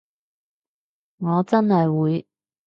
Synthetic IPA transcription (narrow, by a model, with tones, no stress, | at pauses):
ŋɔː˨˧t͡sɐ˥nhɐ˨jwuː˨˧j